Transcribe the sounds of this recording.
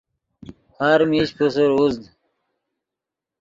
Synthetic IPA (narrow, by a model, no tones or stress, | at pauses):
haɾmiɕpusuɾuzd̪